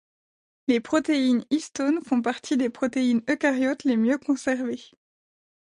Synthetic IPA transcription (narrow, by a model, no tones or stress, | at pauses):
lepχɔt̪einist̪onfɔ̃p̬aʁt̪ʰid̪epχɔt̪einøkaʁjɔt̪lemjøkɔ̃sɛʁve